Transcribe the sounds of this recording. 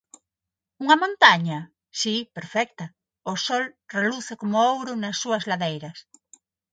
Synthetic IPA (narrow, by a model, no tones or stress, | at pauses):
uŋɐmõnt̪aɲa | sipeɾfɛk̚t̪a | osolreluθekomoowɾonasːuɐzlaðejɾɐs